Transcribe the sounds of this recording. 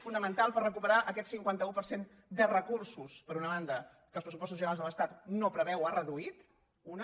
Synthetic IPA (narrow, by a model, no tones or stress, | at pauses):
funəmənt̪alˠpərəkupəɾaʔəkɛt̪siŋkwant̪əupəɾsen | d̪ərəkursuspəɾunəβand̪ə | kəlˠspɾəsupɔst̪uzʒənɾazðələst̪at̪nopɾəβɛwarəðuit̪ | un